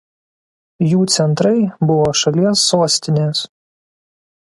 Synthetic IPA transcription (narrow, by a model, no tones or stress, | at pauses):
juːt̪sʲɛnt̪ɾɐɪbʊʋoːʃɐlʲiɛsːoːsʲt̪ʲɪnʲeːs